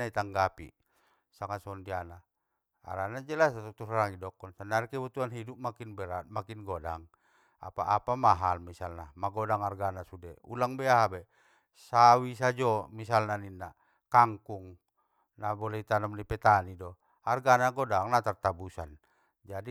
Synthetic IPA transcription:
ait̪aŋɡapḭ | saŋasɔndiana | a̰ɾanad͡ʒɛlasat̪ɔt̪uraɾaŋidɔkɔnsandaɾikɛbut̪uanɦidup̚makinbɛɾat̪makinɡɔdaŋ | a̰pa̰ʔapamaɦalmisalnamaɡɔdaŋarɡanasudɛṵlaŋbɛaɦabɛ | sawis̬ad͡ʒɔmisalnaninːa | kaŋkuŋ | nabɔlɛit̪anɔmnipɛt̪anidɔ | arɡanaɡɔdaŋnat̪art̪abusan | d͡ʒadi

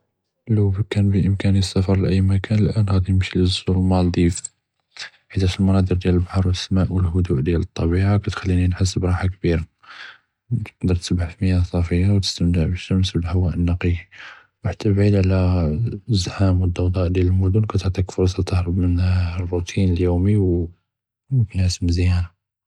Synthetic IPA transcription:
lubkænbəʔəmkænisːæfɑɾˤlʔəjːmækænəlʔænɣæd̪inəmʃiləzuɾmɑld̪ˤif | ħid̪æʃəlmɑnɑd̪ˤəɾd̪jæləlbħɑɾˤwəsmæʔwəlɦʊd̪uʔd̪jælət̪ˤːɑbiʕakæt̪xælːininħəs̬ːəbɾˤɑħakbiɾa | qd̪əɾˤt̪sbʕəfməjːasˤɑfəjːawt̪ə̥st̪əmt̪əʕbiʃt̪əmsbəlhəwːæʔənːɑqii | wħat̪ːæbʕid̪ʕalæ | zħamwəd̪ːɑwd̪ˤɑʔd̪jæləlmʊd̪ʊnkæt̪əʕt̪ˤikfʊɾˤsˤɑt̪əhɾˤəbmənrːut̪ʰinəljumiw | mʊmkənhasəmzjæna

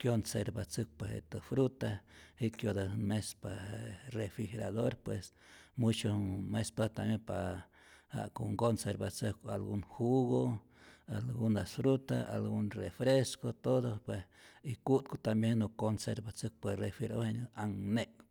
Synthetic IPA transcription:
kjonseɾbat͡sɨk̚pwehḛt̪ɨfɾut̪ahikjod̪ahnmesparefɾixeɾaðoɾpwes | mut͡ʃomespat̪ambjenpa | ha̰koŋɡonseɾbat͡sɨkalɡuŋhuɣo | alɡund̪asfɾut̪aʔa̰lɡunrefɾeskot̪oðopwes | ikut̪̚kot̪ambjenokonseɾbat͡sɨk̚perefiɾohenaŋne

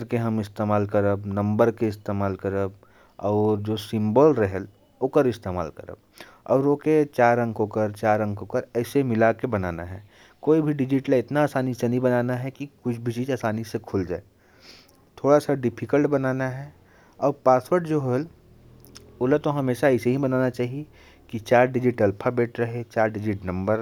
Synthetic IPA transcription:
ɾkeɦɐmɪst̪eːmaːlkəɾəbnɐ̃mbəɾkeɪst̪eːmaːlkəɾəb | ɔːɾd͡ʒoːsɪ̃mbəlɾɛɦɛl | oːkəɾɪst̪eːma̰ːlkɐ̰ɾə̰b̚ | ɔ̰ːɾoːket͡ʃaːɾə̃ŋkokəɾt͡ʃaːɾə̃ŋkɦokəɾɛːsemɪlakebɐna̰ːnaɦɛː | koːibʱiɖɪd͡ʒɪʈəlɪt̪naːsaːnisenɐĩbɐnaːnaɦɛkikʊt͡ʃʰbʱit͡ʃiːd͡ʒaːsaːnisekʰʊld͡ʒa̰ːe | t̪ʰoːɽasaɖɪpʰɪkəlʈbɐnaːnaɦɛ | ɔːɾpaːswəɾʈd͡ʒoːɦol | olət̪oɦɐmeːʃaɛːseɦibɐnaːnat͡ʃaːɦie | kit͡ʃaːɾɖɪd͡ʒɪʈɐlpʰabeːʈɾɐɦet͡ʃaːɾɖɪd͡ʒɪʈnɐ̃mbəɾ

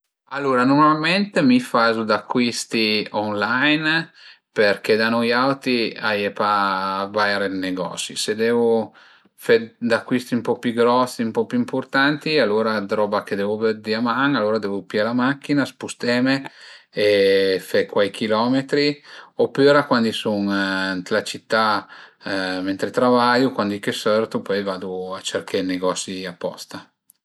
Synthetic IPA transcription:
alːoːɾanoɾmalment̪emifazud̪akːwist̪ionlajn | perked̪anɔjawt̪iajepavaeɾelneɡɔ̰ːsḭsed̪ɛvu | fed̪akːwist̪iumpɔpjuɡɾɔsːiumpɔpjuimport̪ant̪ialːoːɾad̪ɾɔːbaked̪ɛvuved̪iamaŋalːoːɾad̪ɛvupjalamakːinaspust̪ɛme | efekwajkilɔːmet̪ɾiopːøːɾakwand̪isuŋnt̪lat͡ʃit̪ːa | ment̪ɾet̪ɾavajukwand̪ikesørt̪upɔjvaːd̪uat͡ʃerkʰeneɡɔsiapːɔ̰st̪a

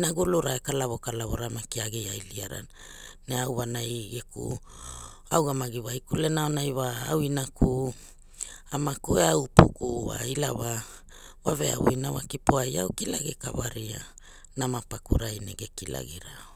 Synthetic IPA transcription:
naɡuluɾaekalaβo̞kalavoɾamakiaɡejajliaɾa̰n | neawβanajɡekṵ | awɡamaɡiwaikulenaonajwaawinakʰu | amakueawupukuwa̰ilaβa | wavea̰wo̰inawa̰kipoajawkilaɡekaβaɾia | namapakṵɾajnḛɡekila̰ɡiɾa

